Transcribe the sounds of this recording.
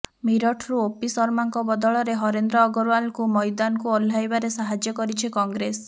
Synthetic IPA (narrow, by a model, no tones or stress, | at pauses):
miɾɔʈʰɾuopisɔɾmaŋkɔbɔd̪ɔɭɔɾeɦɔɾend̪ɾɔːɡɔɾwalkumɔjd̪anɔkuɔlːajbaɾesaɦad͡ʒjɔkɔɾit͡ʃʰikɔŋɡɾes